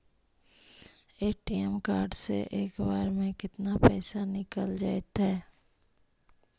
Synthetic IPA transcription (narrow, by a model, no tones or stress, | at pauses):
eːʈiːɛmkaːɾɖsḛʔeːkbaːɾmẽkɪt̪napɛːsanɪkəld͡ʒaːet̪ɦɛː